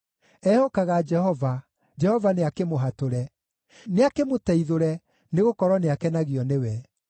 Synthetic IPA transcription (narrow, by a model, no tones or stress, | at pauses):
ɛhokaɣad͡ʒɛhɔva | d͡ʒɛhɔvaneakemoɦatoɾɛ | neakemotɛiðoɾɛ | neɣokɔɾɔneakɛnaɣiɔnewɛ